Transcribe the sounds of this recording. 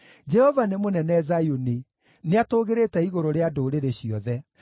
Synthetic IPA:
d͡ʒɛhɔvanemonɛnɛzajone | neatoːɣeɾetɛiɣoɾoɾeadoɾeɾeɕiɔðɛ

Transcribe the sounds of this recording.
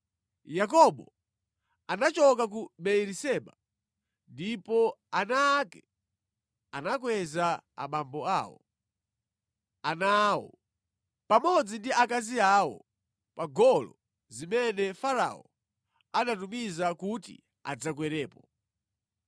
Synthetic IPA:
jak̬ɔɓɔ | anat͡ʃɔk̬ak̬uɓɛjɛɾisɛɓa | ndipɔanaːkɛ | anakwɛzaa̰ɓambɔaːwɔ̰ | anaːwɔ̰ | pamɔd͡zindiʔakaziaːwɔ̰ | paɡɔlɔ̰ | zimɛnɛfaɾa̰ɔ | anatumizakutḭ | a̰d͡zakwɛɾɛːpɔ

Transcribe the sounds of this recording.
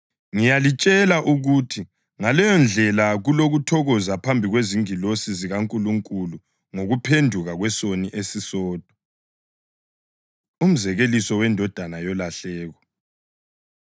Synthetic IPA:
ŋijalit͡ʃʼɛlaʔuɣutʰi | ŋalɛjɔnd͡ɮʱɛlaɣuloɣutʰɔɣɔzapʰambʱiɣweziŋilosiziɣaŋkʼuluŋkʼulu | ŋoɣupʰendʱuɣaɣwɛsoniʔesisɔːd̥ʱɔ̥ | um̩zɛɣelisɔwɛndʱɔd̥ʱanajɔlaɬɛːɣɔ

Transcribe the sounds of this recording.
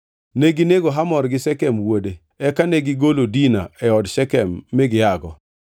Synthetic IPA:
neɡineɡoɦamɔɾɡɪsɛkɛmwode | ɛkaneɡɪɡolodina̰ɛɔdʃɛkɛmːɪɡɪaɡɔ

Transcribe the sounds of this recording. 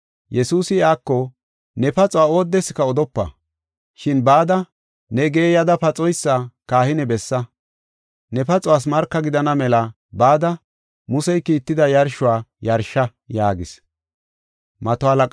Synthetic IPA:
jɛsuːsɪjaːkːɔ | nɛpɐt͡sʼɔwaːo̞ːd̪ːɛsɪ̥kɐɔd̪ɔpːɐ̰ | ʃɪnbaːd̪ɐ | nɛɡeːjɐd̪ɐpɐt͡sʼɔjsːakaːhɪnɛbɛsːɐ | nɛpɐt͡sʼɔwaːs̬mɐɾkːɐɡɪd̪ɐnɐmɛlɐ | baːd̪ɐ | mʊsɛjkiːt̪ːɪd̪ɐjɐɾʃʊwaːjɐɾʃːɐ | jaːɡɪs | mɐt̪ɔalɐkʼ

